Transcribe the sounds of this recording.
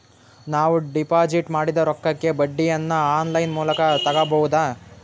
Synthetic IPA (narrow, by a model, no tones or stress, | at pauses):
naːʋuɖipaːd͡ʒiʈmaːɽid̪ɐɾɔkːɐkːe̞bɐɖːijɐnːɐaːnlɐjnmuːlɐkɐt̪ɐɡɐbɐwud̪aː